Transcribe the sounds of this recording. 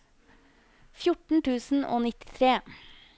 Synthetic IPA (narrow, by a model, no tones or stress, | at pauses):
fjʊʈɳ̩t̪ʉːsn̩ʔo̰ːnɪt̪ɪ̥t̪ʰɾeː